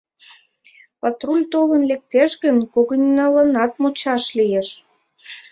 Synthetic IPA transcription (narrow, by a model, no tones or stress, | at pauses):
pɑt̪rulʲt̪olənlek̚t̪eʃɣənkoɣənʲnɑlənɑt̪̚mut͡ɕɑʃlijeʃ